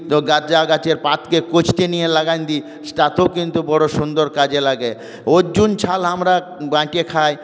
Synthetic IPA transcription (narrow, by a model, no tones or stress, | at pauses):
t̪oɡad͡ʑaɡat͡ɕeɾpat̪kekot͡ɕʰt̪enijelaɡajnd̪i | sʈat̪okint̪ubɔɽoʃund̪oɾkad͡ʑelaɡe | od͡ʑunt͡ɕʰalamɾa | bãʈekʰaj